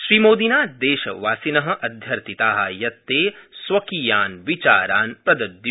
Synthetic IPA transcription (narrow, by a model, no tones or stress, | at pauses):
ʃɾiːmoːd̪inaːd̪eːʃɐ̰ʋaːsinɐɦɐ̆ʔɐd̪ʱjɐɾt̪ʰit̪aːɦɐjɐt̪ːeːsʋɐkijaːnʋit͡ʃaːɾaːnpɾɐd̪ɐd̪j